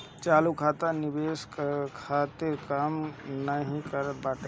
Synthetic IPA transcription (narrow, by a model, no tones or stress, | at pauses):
t͡ʃaːlukʰaːt̪anibeskkʰaːt̪eɾkaːmnəɦĩkəɾət̪̚baːʈ